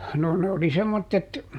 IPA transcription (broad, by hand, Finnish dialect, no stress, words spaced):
no ne oli semːotːet